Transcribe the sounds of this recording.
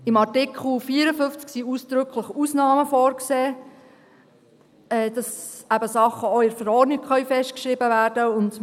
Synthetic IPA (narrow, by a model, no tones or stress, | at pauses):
ɪmɑɾtɪkχl̩fiːəɾəfʏft͡sksiuːsd̥ɾʏkʰləχusnɑːməfɔːɾkseː | ɛːd̥ɑsæbəsɑχːəoɪɾfəɾɔːdnɪkχœɥfɛsʃtkʃɾɪbəʋæːɾd̥əʊnd